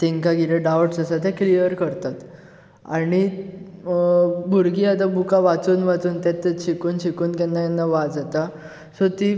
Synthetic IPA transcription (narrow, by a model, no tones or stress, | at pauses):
t̪eŋkaɡileɖawʈsasat̪̬ɛklijəɾkəɾt̪at̪ | a̰ɽ̃i | bʱuɾɡiːat̪̬abukaʋat͡suːnʋat͡suːnt̪jat̪ːeɕʰikuːnɕikuːnkanːajanːaʋad͡zat̪a | sot̪i